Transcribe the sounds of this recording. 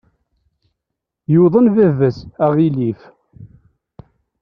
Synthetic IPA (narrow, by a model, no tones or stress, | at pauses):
juðˤənvævəsæʁilif